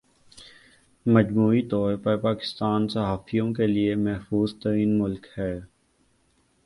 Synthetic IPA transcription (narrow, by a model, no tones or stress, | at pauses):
mɐd͡ʒmuːit̪ɔːɾpɐɾpaːkɪ̥st̪aːnsɐɦaːfijõkeliemɐɦfuːzt̪ɐɾiːnmʊlkhɛː